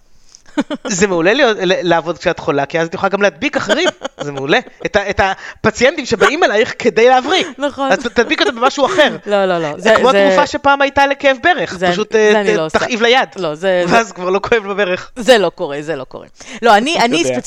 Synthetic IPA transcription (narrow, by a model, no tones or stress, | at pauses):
zemeulelijo̞tlelaːvo̞d̪̚kʃeat̪χolakiazat̪juχaɡamlead̪bikaχeʁimzemeuleet̪aetapat͡sjent̪imʃe̞baʔimalajχke̞d̪ejleavʁinχoazt̪ad̪bikot̪ambemaʃuaχeʁlololozekmoaɡuffaʃe̞paːmajt̪alekeevbe̞ʁeχzaʃ̬ut̪nt̪ːaχʔivlajad̪lozeveazkvaʁlo̞ko̞evbebe̞ʁeχzelokoʁezeloko̰ʁḛloanianisp